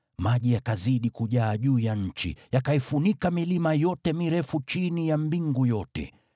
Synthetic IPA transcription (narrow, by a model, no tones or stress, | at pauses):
maʄijakaziɗikuʄaːʄuːjaɲ̩t͡ʃḭjakaifunikamilimajɔtɛmiɾɛfut͡ʃinijambiŋɡujɔtɛ̰